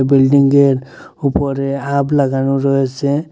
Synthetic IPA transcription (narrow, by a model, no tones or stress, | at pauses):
bilɖiŋɡeɾupɔɾeablaɡanuɾɔese